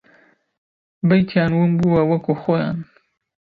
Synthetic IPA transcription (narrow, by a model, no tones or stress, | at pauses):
bɐjt̪ʰjɑːnwunbuwawɐkʰuxojɑ̰ːn